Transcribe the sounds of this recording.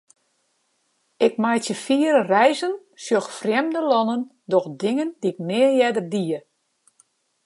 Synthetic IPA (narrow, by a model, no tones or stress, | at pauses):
ɪk̚majtjəfiːəɾərɛjzən | sjoxfrjɛmdəlɔnən | dɔxdɪŋəndiɪk̚nɪːəjɛdərdiə